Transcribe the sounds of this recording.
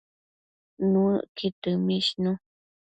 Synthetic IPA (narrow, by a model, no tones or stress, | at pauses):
nũəkit̪ɨmĩʃnũ